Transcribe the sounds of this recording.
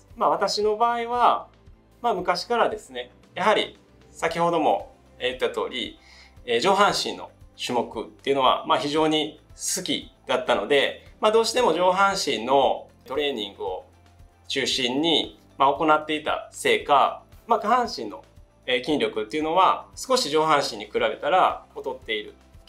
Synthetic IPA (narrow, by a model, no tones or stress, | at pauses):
maβat̪aɕino̞baːiβa | maːmɯ̟kaɕi̥kaɾad̪e̞sɨne̞ | jaɦaɾʲḭ | sakʲiho̞d̪o̞mo̞ | jɯ̟t̪ːat̪o̞ːɾʲḭ | ed͡ʑo̞ːɦãɰ̃ɕḭ̃nːo̞̰ɕɨmo̞kɯ̟t̪ːe̞iɯ̟no̞βa̰maçiʑo̞ːɲ̟isɨkʲḭd̪̥at̪ːano̞d̪e̞mad̪oːɕi̥t̪e̞mo̞ʑo̞ːɦãɰ̃ɕĩnːo̞ | t̪o̞ɾe̞ːɲ̟ĩŋɡɯ̟o̞ | t͡ɕɨːɕĩɲ̟ːi | mao̞ko̞nat̪ːe̞it̪a̰se̞ːkamaɡaɦãɰ̃ɕĩnːo̞̰ | ekʲĩnʲɾʲo̞kɯ̟t̪ːe̞iɯ̟no̞βasɨ̥ko̞ɕiʑo̞ːɦãɰ̃ɕĩɲ̟ːikɯ̟ɾabe̞t̪aɾaot̪o̞t̪ːe̞iɾɯ̟̰